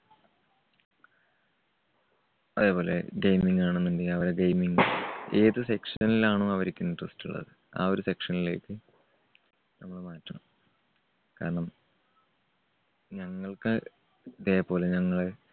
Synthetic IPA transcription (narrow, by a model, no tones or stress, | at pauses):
ɐðe̞ːpo̞ːle̞̰ɡejmiŋɡaːɳɨnːendeɐʋɐɾeɡɐjmiŋe̞ːðɨse̞kʂɐnilaːɳoːɐʋɐɾikʲːuinːiʈrɐstuɭːɐ̰ðɨ | a̰ːo̞ɾuse̞kʂɐnilejkːɨ | nɐmːɐɭmaːtːɐɳɐm | ka̰ːɾɐɳɐm | ɲɐŋːɐɭkɨ | ɐðeːpːo̞ːle̞ɲɐŋːɐɭe